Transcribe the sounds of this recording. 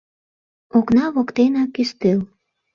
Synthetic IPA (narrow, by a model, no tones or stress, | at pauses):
oknɑβokt̪enɑkyst̪el